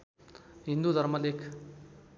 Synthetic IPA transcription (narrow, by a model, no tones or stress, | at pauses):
ɦind̪ud̪ʱʌɾmʌlekʰ